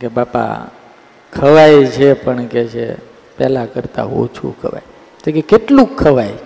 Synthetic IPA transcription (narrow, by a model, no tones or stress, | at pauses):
kebapa̰ | kʰəʋajt͡ʃʰepəɳket͡ʃʰḛ | pɛlakəɾt̪a̰ɦo̰t͡ʃʰṵkʰə̰ʋa̰j | t̪ekekeʈlũkʰːəʋaj